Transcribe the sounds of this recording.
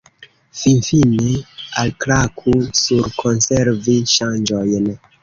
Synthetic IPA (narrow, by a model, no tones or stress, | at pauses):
finfinealklakʰusuɾkʰo̞nseɾviʃand͡ʒo̞jn